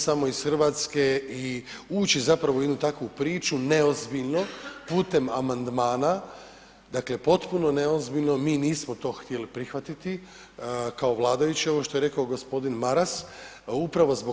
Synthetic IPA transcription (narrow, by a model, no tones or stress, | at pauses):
samo̞isxrʋat̪ske̞i | uːt͡ɕizapɾaʋojed̪nut̪akʋupɾiːt͡ʃune̞ozbiʎno̞puːt̪e̞mamand̪maːna | d̪akle̞po̞t̪puno̞ne̞ozbiʎʲno̞miːniːsmot̪o̞xt̪ʲjelipɾixʋat̪it̪i | kao̞ʋlˠaːd̪ajut͡ɕioʋo̞ʃt̪o̞je̞ɾe̞kaoɡospo̞d̪inmaɾas | upɾaʋo̞zbo